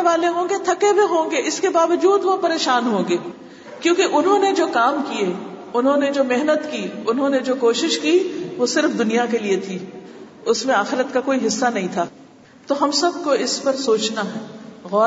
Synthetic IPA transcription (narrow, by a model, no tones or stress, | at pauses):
ʋaːleɦõːɡet̪ʰɐkebʱeɦõːɡeɪskebaːʋəd͡ʒuːd̪ʋopɐɾeːʃaːnɦõːŋɡeː | kjõːkeʔʊnɦõːned͡ʒoːkaːmkie | ʊnɦõned͡ʒoːmeɦnət̪kiʊnɦõned͡ʒoːkoːʃɪʃkiʋosɪɾfd̪ʊnijakeliet̪ʰiː | ʊsmẽaːxɪɾət̪kakoːiɦɪsːanɐɦĩt̪ʰaː | t̪oːɦɐmsɐbkoɪspɐɾsoːt͡ʃnaɦɛːɣɔː